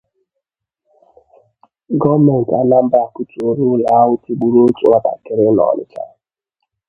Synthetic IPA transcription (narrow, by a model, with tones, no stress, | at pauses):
ɡɔ˦me˨n̩˨ta̰˦na˦m̩˦ba˨ku˦ti˨o˦ɾu˦la˦wʊ˦ti˦ɡ͡bu˦ɾo˦t͡ʃṵ˦a˦ta̰˨kɪ˨ɾɪ˦nɔ̰˨lɪ̰˦t͡ʃa̰˦